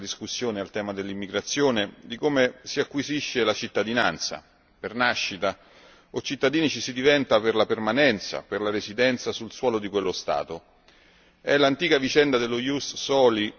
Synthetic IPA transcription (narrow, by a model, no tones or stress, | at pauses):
d̪iskusːjoːnealt̪ɛːmad̪elːimːiɡɾat̪sːjoːned̪ikomesiakːwiziʃːelat͡ʃit̪ːad̪inant̪sa̰ | pernaʃːit̪a | ot͡ʃit̪ːad̪iːnit͡ʃisid̪ivɛnt̪aperlapermanɛnt̪sa̰perlaɾezid̪ɛnt̪sasulswɔːlod̪ikwelːost̪a̰ːt̪o | ɛlant̪iːkavit͡ʃɛnd̪ad̪elːojussɔːli